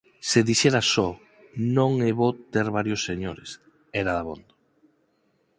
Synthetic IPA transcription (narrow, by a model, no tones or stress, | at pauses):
seðiʃɛɾasɔ | nõŋeβot̪eɾβaɾjosːeɲoɾes | ɛɾaðaβo̰nd̪o̥